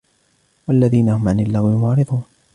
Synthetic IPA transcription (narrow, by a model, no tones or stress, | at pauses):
walːaðiːnahʊmʕanɪlːaɣɪmʊʕɾɨðˤuːn